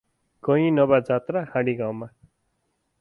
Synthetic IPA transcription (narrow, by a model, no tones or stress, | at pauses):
kʌĩnʌbad͡zat̪rahãɽiɡawma